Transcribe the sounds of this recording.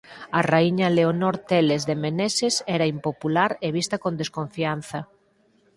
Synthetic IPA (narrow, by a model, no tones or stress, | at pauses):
araiɲaleonoɾt̪elezðemenesesɛɾaimpopulaɾeβ̞ist̪ɐkond̪eskoɱfian̟θɐ